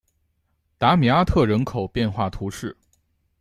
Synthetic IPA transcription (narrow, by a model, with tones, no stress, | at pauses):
t̪a˧˥mi˨˩a˥t̪ʰɤ˥˩ɻə˧˥nkʰo˨˩ʊpjɛ˥˧nxwa˥˩t̪ʰu˧˥ʂɻ̩˥˩